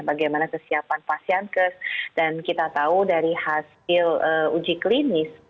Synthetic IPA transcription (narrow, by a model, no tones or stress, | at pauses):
baɡajmanakəsiapanpasiankəsd̥ankit̪at̪audaɾihas | ɪləud͡ʒiklinɪs